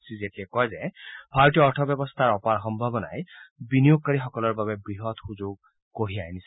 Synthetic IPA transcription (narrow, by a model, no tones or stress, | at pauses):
sizetiakɔjzɛb̥ʱaɹɔtijɔɔɹtʰɔbjɔbɔst̪ʰaɹɔpaɹxɔmbʱabɔna̰jbinijoɡ̚kaɹixɔkɔlɔɹbabɛbɹiɦɔtxuzʊɡ̚ | koɦiajnis